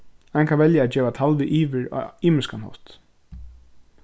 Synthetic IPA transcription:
aŋkʰanʋɛljaɛːt̪d͡ʒɛːʋat̪ʰalʋɪʔiːʋɪɹ̰iːmɪskanhɔ̰ht̪

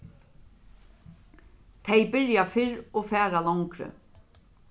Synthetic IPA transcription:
t̪ʰejbɪɾjafɪɾɔːfæːɾalaŋkɾə̰

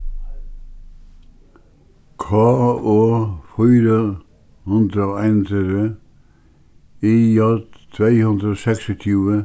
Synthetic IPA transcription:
kʰɑːoːfyːɾə | hʉnd̪ɾəoːæɪnt̪ʰyə | iːjɑt̪ʰʋeɪhʉnd̪ɾəoːsɛksɔt̪ʰjʉːə

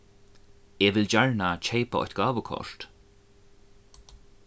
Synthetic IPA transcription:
eːvɪld͡ʑaɹnat͡ʃʰejpaɔ̰jht̪ɡaːvəkʰɔ̰ʃt̪

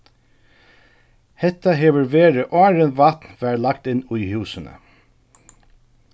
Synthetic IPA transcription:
hɛt̪aɦeːʋəɹʋeːɹəʔɑːɹənʋat̪nʋæːɹlak̚t̪ɪnːʊjhʉːsənə̰

